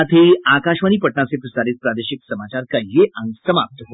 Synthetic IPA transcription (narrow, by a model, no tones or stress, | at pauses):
at̪ʰeakaɕʋaniːpəʈɳasepɾəsaɾit̪̚pɾad̪eɕiksəmat͡ɕaɾkajːeʔãŋsəmap̚t̪əɦo